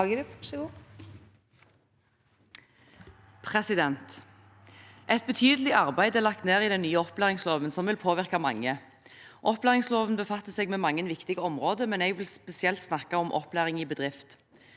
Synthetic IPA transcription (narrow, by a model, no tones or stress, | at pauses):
ɡəɾpsɪu | pʰʁɛsɪd̪ɛnt̪ | ʔɛt̪̚bət̪ʰyːd̪əlɪʔɑʁbæɪd̪ɛlɑk̚t̪neːʁiːd̪ɛnːyːəɔplæːʁɪŋsloːʋənsɔmʋɪlpʰoːʋɪʁkɑmɑŋːə | ʔɔplæːʁɪŋsloːʋənbəfɑt̪ːəseːɡmɛːmɑŋːənʋɪkt̪ɪɡəɔmʁoːd̪əmɛnɛɡʋɪlspɛsɪɛlt̪snɑkɑɔmʔɔ̰plæːʁɪŋiːbəd̪ʁɪft̪